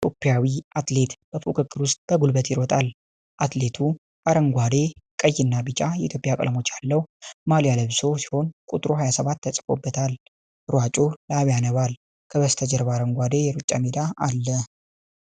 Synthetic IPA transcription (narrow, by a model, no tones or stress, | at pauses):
pʼopːijawiat̪le̞t̪b̥əfukʰʼɨkʼːɨɾwʊst̪ʼb̥əɡulbət̪jɪɾɔt̪ʼal | ʔat̪le̞t̪ʰu | aɾəŋɡʷad̪e̞kʼəjːɪnːabɨt͡ʃʼajɛʔḭt̪ʰjo̞pʼjakʼə̰ləmo̞t͡ʃːjalːəwmaljaləβso̞si̥ho̞nkʼut̪ʼɾoɦajasəβat̪ːəsʼɨ̥fo̞̰bːət̪ʰal | ɾwat͡ʃʼolaβjanəβal | kʰəβəst̪ʰəd͡ʒəɾbaɾəŋɡʷad̪e̞jɛɾut͡ʃʼːa̰med̪aalːə